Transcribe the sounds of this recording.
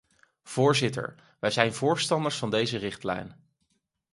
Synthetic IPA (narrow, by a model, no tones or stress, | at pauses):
v̥ʊːɹzɪtə̰ɹ | ʋɛjzɛjnvʊːɹstɑndəɹsfɑndejzərɪχtlɛ̰jn